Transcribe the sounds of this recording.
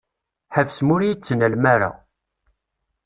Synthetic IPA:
ħəfsmʊɾijit͡sːənælmæɾa̰

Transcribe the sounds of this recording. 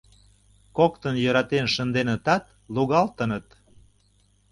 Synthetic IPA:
kokt̪ənjøɾɑt̪enʃə̆nd̪enət̪ɑt̪̚ | luɣɑlt̪ənət̪

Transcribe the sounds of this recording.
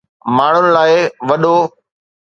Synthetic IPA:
maːɳ̤ʊnɪ̆laːɪʋɐɗo

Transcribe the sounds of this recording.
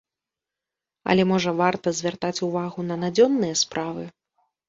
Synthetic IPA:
ɐ̰lʲɛmɔʐɐvart̪ɐzʲvʲart̪at͡sʲuvaɣunɐnad͡zʲɔnːɨjɐspɾʔavɨ

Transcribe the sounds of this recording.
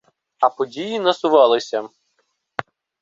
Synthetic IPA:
ɐpɔdʲijinɐsʊʋɑlˠɪsʲɐ

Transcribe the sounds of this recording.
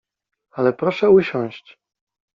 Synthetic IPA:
alɛpɾɔʂɛuɕɔ̃w̃ɕt͡ɕ

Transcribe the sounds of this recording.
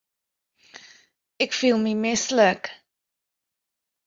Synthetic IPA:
ɛkfiːlˠmimɪslək

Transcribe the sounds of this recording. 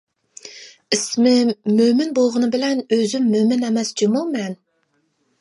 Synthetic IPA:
ismɪmømɪnbolˠʁʊnɨbɪlɛnøzymːømɪnɛmɛsd͡ʒimumɛn

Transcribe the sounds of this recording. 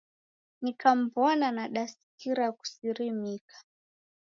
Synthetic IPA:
nikam̩bɔnanaɗasi̥kiɾaku̥siɾimikʰḁ

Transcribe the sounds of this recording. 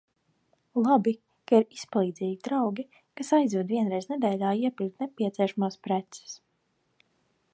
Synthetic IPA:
lˠabi | kaiɾispalˠiːd̪zʲiːɡʲd̪ɾawɡʲi | kasajzd̪uɔd̪viɛnɾɛjznɛd̪ɛːjlʲaːiɛpilʲk̚t̪nepʲiɛt̪siɛʃamaːspɾɛt̪sɛ̥s

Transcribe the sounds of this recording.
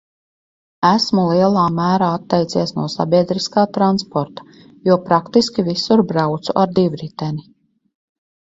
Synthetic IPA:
æsmulˠiɛlˠaːmæːɾaːat̪ːɛjt̪siɛsnuɔsa̰bʲiɛd̪ɾiskaːt̪ɾanspɔɾt̪ḁ | juɔpɾakt̪iskʲivisuɾbɾawt̪suʔaɾd̪ivɾit̪ɛni

